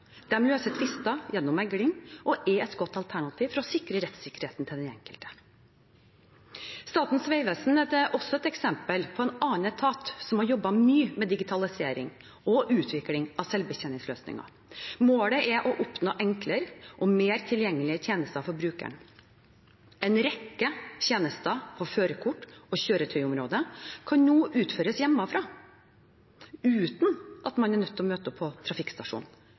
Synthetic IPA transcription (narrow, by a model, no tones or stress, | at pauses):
d̪̥ɛmløːsət̪ʰʋɪst̪ɑjɛnːʊmɛɡɽɪŋʔɔʔɛɛt̪ɡɔt̪ːɑlt̪ʰæɳɑt̪ʰiːʋfɾɑɔsɪkɾəɾɛt̪sɪkːəɾheːt̪nt̪ʰɪld̪ɛnɛŋkəlt̪ə̥ | st̪ɑːt̪n̩sʋɛɪʋɛsn̩ɛd̪ɛʔɔsːɔɛt̪ɛksɛmpəlpʰɔɛnɑːnət̪ʰɑːt̪sɔmhɑɾjɔbːɑmyːmɛd̪ɪɡɪt̪ʰɑlɪseːɾɪ̰ŋ | ɔʔʉːt̪ʰʋɪklɪŋɑʋsɛlʋbəçɛnɪŋsløːsnɪ̰ŋɑ̰ | moːləʔɛʔɔʔʊpnoːʔɛŋkləɾʔɔmeːɾt̪ʰɪljɛŋːəlɪəɾt̪ʰjeːnəst̪əɑʋfɔɾbɾʉːkæ̰ɳ | ɛɪnɾɛkːəçeːnəst̪ɑpʰɔføːɾəkʰʊʈːɔɕøːɾət̪ʰœʏʊmɾoːd̪əkʰɑnnuːʔʉːt̪føːɾəsjɛmːɑfɾɑː | ʉːt̪nʔɑt̪mɑnɛɳnœt̪ːɔmøːt̪əɔpʰɔt̪ʰɾɑfɪkst̪ɑʂṵːn